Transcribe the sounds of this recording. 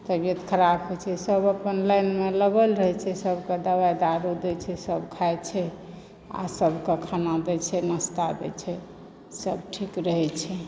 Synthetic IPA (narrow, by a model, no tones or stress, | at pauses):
t̪əbijət̪kʰəɾabɦojt͡ʃʰɛsəbəpənlajnmeləɡəlɾəɦɛt͡ʃʰɛsəbʱkẽd̪əβajd̪aɾud̪ɛt͡ʃʰɛsəbkʰajt͡ʃʰɛ | a̰səbʱkekʰanad̪ɛt͡ʃʰɛnəst̪ad̪ɛ̰t͡ʃʰɛ | səbʈʰikɾəɦɛt͡ʃʰɛ